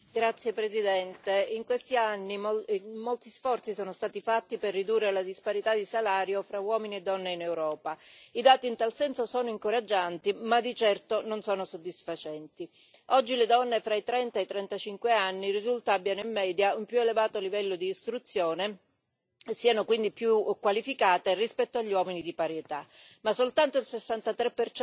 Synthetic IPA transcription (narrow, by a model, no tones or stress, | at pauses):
ɡɾat̪sːjepɾezid̪ɛnt̪eiŋkwest̪ianːimolt̪isfɔrt̪sisɔːnost̪aːt̪ifat̪ːiperːid̪urːelad̪ispaɾit̪ad̪isalaːɾjofɾawɔːminied̪ːɔnːeinewɾɔːpaid̪aːt̪iːnt̪alsɛnsosɔːnoiŋkoɾad͡ʒːant̪imad̪it͡ʃɛrt̪ononsɔːnosod̪ːisfat͡ʃɛnt̪i | ɔd͡ʒːiled̪ɔnːefɾait̪ɾɛnt̪aet̪ːɾɛnt̪at͡ʃiŋkweanːirizult̪aabːjanoimːɛːd̪jaumpjuelevaːt̪olivɛlːod̪iːst̪ɾut̪sːjoːne | siːanokwind̪ipjukːwalifikaːt̪erispɛt̪ːoaʎːwɔːminid̪ipaɾjet̪amasːolt̪ant̪oilsesːant̪at̪ɾeɛpːert͡ʃ